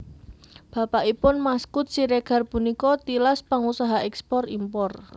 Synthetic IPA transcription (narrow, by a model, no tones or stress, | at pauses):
b̥a̤paʔipʊnmaskʊt̪̚siɾeɡ̥a̤rpunikɔt̪ilaspaŋusaɦaʔɛkspɔrimpɔr